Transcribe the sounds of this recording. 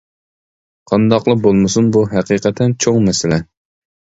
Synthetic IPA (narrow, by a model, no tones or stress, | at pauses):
qʰɑnd̪ɑqlˠəbolˠmɨsunbuɦæqiːqɛt̪ʰːɛnt͡ʃʰoŋmɛsɪlɛ